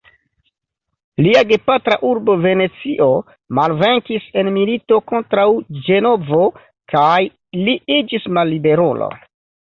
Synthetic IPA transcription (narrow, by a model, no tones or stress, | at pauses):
liaɡe̞patɾa̰ʔuɾbo̞ve̞ne̞t͡siʔo̞ | malve̞ŋkise̞nmilito̞ko̞ntɾawd͡ʒe̞no̞vo̞ | kʰaj | liid͡ʒismalːibe̞ɾolo̰